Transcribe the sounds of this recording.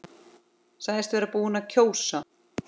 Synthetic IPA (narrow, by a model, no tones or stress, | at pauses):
sajðɪst̪vɛːɾapuːʏnaðcʰoːwsa